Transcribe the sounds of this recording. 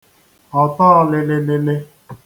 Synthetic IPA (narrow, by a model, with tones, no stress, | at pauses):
ɔ˨tɔ˦ɔ˦lɪ˨lɪ˦le˦le˦